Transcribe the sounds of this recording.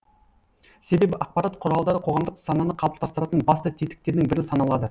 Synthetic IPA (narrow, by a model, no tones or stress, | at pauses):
se̞be̞bɪʔɑq̚pɑɾɑt̪qʰʊɾɑlˠd̪ɑɾəqʰo̞ʁɑmd̪əqsɑnɑnəqʰɑbəlˠd̪ɑst̪əɾɑt̪ənbɑst̪ət̪ʰit̪ɪ̥k̚t̪e̞ɾd̪ɪŋbɪɾɪnsɑnɑlˠɑd̪ə